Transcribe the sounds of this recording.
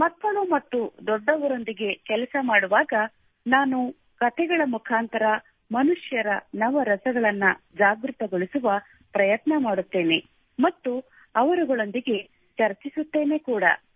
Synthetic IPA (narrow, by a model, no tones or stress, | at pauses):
mɐt̪ːɐnumɐt̪ːud̪ɔɖːɐʋɐɾo̞nd̪iɡe̞kɛlɐsɐmaːɽuʋaːɡɐ | naːnu | kɐt̪ʰɛɡɐɭɐmukʰaːnt̪ɐɾɐ | mɐnuʂjɐɾɐnɐʋɐɾɐsɐɡɐɭɐnːɐ | d͡ʒaːɡɾut̪ɐɡoɭisuʋɐ | pɾɐjɐt̪nɐmaːɽut̪ːe̞ːne̞ | mɐt̪ːu | ɐʋɐɾuɡɐɭo̞nd̪iɡe̞ | t͡ʃɐɾt͡ʃisut̪ːe̞ːne̞kuːɽɐ̰